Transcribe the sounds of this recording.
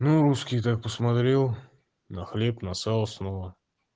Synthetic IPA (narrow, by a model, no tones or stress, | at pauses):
nuɾuskʲijt̪ak̚pəsmɐt̪ɾʲelˠ | nɐxlʲepnɐsɑlˠsnovə